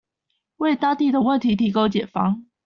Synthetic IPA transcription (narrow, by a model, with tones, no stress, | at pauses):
we˥˨ɪt̪ɑ˥ŋt̪i˥˨d̪ə˨wə˥˨nt̪ʰi˨˧˥t̪ʰi˧˥ko˥˦ʊt͡ɕjɛ˨˩nfɑ̰˥ŋ